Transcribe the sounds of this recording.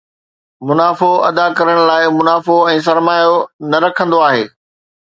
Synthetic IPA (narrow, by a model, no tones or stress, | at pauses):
mʊnaːfoɐ̰d̪akɐɾəɽ̃laːɪmʊnaːfoɛ̃ːs̬ɐɾmaːjonɐɾɐkʰə̃nd̪oaːɦeː